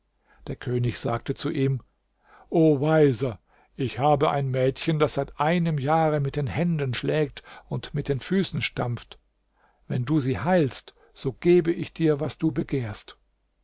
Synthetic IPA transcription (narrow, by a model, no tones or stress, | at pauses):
d̥eːɐkʰøːnɪçz̥aːk̚tət͡suʔiːm | ʔoːvaɪzɐ | ʔɪçhaːbəʔa̰ɪnmɛːtçəndasz̥aɪtʔaɪnəmjaːʁəmɪt̚d̥eːnhɛndənʃlɛːk̚tʊntmɪt̚d̥eːnfyːsn̩ʃtamft | vɛnduːziːhaɪlst | z̥oːɡ̥eːbəʔɪçd̥iːɐvasd̥uːbəɡeːɐst